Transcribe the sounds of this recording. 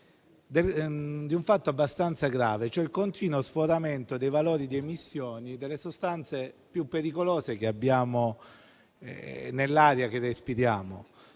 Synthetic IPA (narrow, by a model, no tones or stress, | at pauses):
d̪ed̪iuɱfat̪ːoabːast̪ant̪saɡɾaːvet͡ʃoɛlkont̪iːnosfoɾament̪od̪ejvaloːɾid̪iemisːjoːnid̪elːesost̪ant̪sepjupːeɾikoloːzekeabːjaːmo | nelːaːɾjak̟erːespiɾjaːmo̰